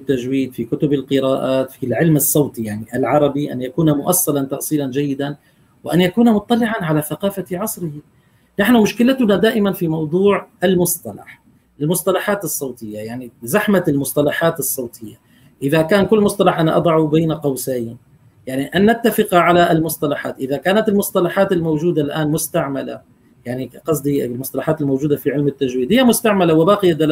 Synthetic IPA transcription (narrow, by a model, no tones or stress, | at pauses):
t̪ːaʒwiːd̪fikʊt̪ʊbɪlqɨɾaːʔaːt̪filʕɪlmɨsˤːɑwt̪ijaʕniʔalʕɑɾˤɑbiʔa̰njakuːnamʊʔasːalant̪ɑʔsˤiːland͡ʒajːɪd̪an | wɪʔanjakuːnamʊt̪ˤːɑlɪʕanʕalaθaqɑːfaʕɑsˤɾɪh | naħnʊmʊʃkɪlat̪ʊnad̪aːʔɪmanfimɑwd̪ˤuːʕʔalmʊst̪ɑlɑ̰ħ | ʔɪlmʊsˤt̪ɑlɑħaːt̪ɨsˤːɑwt̪ɪjːajaʕnizaħmalmʊsˤt̪ˤɑlɑħaːt̪ɨsˤːɑwt̪ˤʰɪjːa | ʔɪðakaːnkʊlːmʊsˤt̪ˤɑlɑħʔanaʔɑ̰d̪ˤɑʕubiːnaqɑwsaːja | jaʕniʔanːat̪ːafɪqaʕalaʔɪlmʊsˤt̪ɑlɑħaːt̪ʔɪðakaːnat̪ɪlmʊsˤt̪ˤɑlɑħaːt̪ɪlmowʒuːd̪alʔaːnmʊst̪aʕmala̰ | jaʕniqɑsˤd̪ilmʊst̪ɑlɑħaːt̪ɪlmowʒuːd̪afiʕɪlmɪt̪ːaʒwiːd̪ɪjːamʊst̪aʕmalawɪbaːqɪjad̪al